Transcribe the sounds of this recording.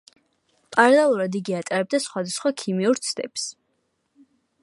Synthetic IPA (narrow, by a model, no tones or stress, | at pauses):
pʼaɾalɛlˠuɾad̪iɡiat̪ʼaɾɛb̚d̪asχwad̪asχwakʰimiuɾt̪sʰd̪ɛ̰ps